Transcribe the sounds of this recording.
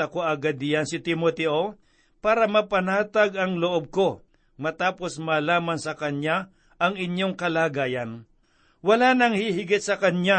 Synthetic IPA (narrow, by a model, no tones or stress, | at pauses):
ɐkoʔɐɡɐd̪ɪjansɪt̪ɪmot̪ɛʔo | paːɾɐmɐpɐnaːt̪aɡɐŋloʔob̚ko | mɐt̪aːposmaːlaːmansɐkɐnja | ʔɐŋɪɲjoŋkɐlaːɡaːjɐn | wɐlanɐŋhihɪɡɪt̪̚sɐkɐnɲa